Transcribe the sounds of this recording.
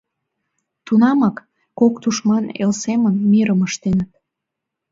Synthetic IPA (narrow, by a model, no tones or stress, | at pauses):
t̪unɑmɑkː | okt̪uʃmɑnḛlsemənmiɾəməʃt̪enət̪̚